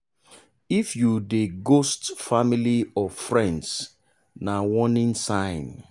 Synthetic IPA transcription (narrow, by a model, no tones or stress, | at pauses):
ifjudeɡostfamiliɔfɹɛ̃nds | nawɔnĩnsãɪ̃n